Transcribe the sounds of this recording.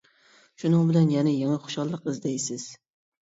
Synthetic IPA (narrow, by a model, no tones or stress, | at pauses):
ʃʊnɑŋbɪlanjanɪjaŋɑχʊ̥ʃɒlˠːɨqɪzd̪ejsɪz̥